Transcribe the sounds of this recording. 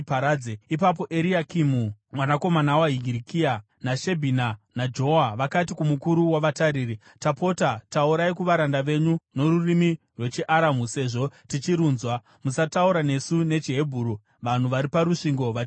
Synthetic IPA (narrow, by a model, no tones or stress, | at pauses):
paɾaːd͡zeipap̬o̞ʔeɾiakimumwanako̞manawaɦiɡʱiɾikia | naʃe̞bʱinanad͡ʒo̞aʋakatikumukuɾuwaʋataɾiːri | tapo̞tatauɾaikuʋaɾandaʋe̞ɲuno̞ɾurimi | rwe̞t͡ʃeʔaɾamuse̞ːʐo̞tit͡ʃiɾuːnzwa | musatauɾane̞sune̞t͡ʃiɦe̞bʱuːɾo | ʋan̤uʋaɾipaɾuʂiŋɡo̞ʋat͡ʃ